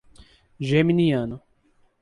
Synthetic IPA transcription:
ʒeminiɐ̃nʊ

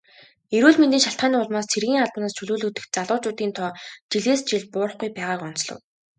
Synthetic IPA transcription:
eɾuːɮment̪iːŋʃaɬt̪̚ɢaːniːʊɮ̆maːst͡sʰerɣʲiːŋaɮpə̆naːst͡ɕʰɵɮuːɮuːt̪ɘ̆k̚t͡saɮʊːt͡ɕʊːt̪iːnt̪ʰɔːt͡ɕiɮeːst͡ɕiɮpʊːɾə̆χɡujpæːʁaːkɔn̥t͡sɮɞ̰̆w

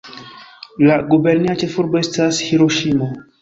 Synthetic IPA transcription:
laɡube̞ɾniat͡ʃe̞fuɾbo̞e̞stashiɾoʃimo

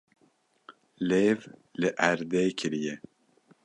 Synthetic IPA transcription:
leːvlɨʔæɾd̪eːkʰɪɾijɛ

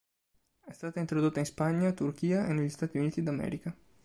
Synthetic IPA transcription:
ɛst̪at̪aint̪ɾod̪ot̪ːainspaɲat̪uɾkiaʔeneʎist̪at̪iunit̪id̪amɛ̰ɾika

